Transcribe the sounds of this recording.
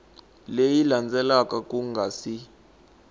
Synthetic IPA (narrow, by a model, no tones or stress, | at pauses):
lejiland͡zʱɛlakʼakʼuŋɡʱaːsi